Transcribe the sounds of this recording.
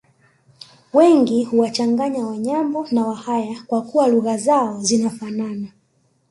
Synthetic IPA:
wɛŋɡihuwat͡ʃaŋɡaɲawaɲambɔnawahajakwakuwaluɣazaɔzinafanana

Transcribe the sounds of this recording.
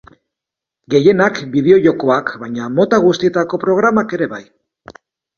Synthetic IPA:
ɡe̞je̞nakbið̞e̞o̞ʝo̞ko̞akbajɲamo̞t̪aɣ̞ust̪ie̞t̪ako̞pɾo̞ɣ̞ɾamake̞ɾe̞βaj

